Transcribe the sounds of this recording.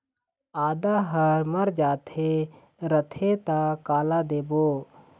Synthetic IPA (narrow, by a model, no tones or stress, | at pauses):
aːd̪aɦəɾməɾd͡ʒaːt̪ʰe | ɾət̪ʰet̪akaːlad̪eːboː